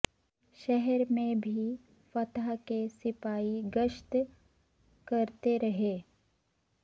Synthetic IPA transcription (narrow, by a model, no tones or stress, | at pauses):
ʃɛɦɛɾmẽbʱi | fɐt̪akesɪpaːiɡəʃt̪ | kɐɾt̪eɾɐɦeː